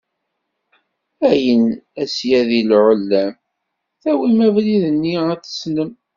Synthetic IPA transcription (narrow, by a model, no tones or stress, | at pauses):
æjənæsjæðilʕəlːæm | θæwimævliðənːiæθə̥snəm